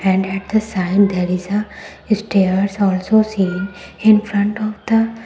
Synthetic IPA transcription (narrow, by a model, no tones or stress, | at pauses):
ɛ̃ɳɖɛʈ̚d̪əsaɪɖd̪ɛːɾɪzə | ɪsʈeəɾsɔːlsoːsĩːnɪ̃nfɾʌ̃ɳʈɔʋd̪̥ə